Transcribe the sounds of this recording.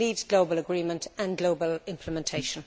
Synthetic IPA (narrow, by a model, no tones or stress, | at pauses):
iːvɡloʊbələɡɹĩːmə̃ntʰə̃nɡloʊbəlɪ̃mpʰləmɛ̃ntʰeɪʃə̃n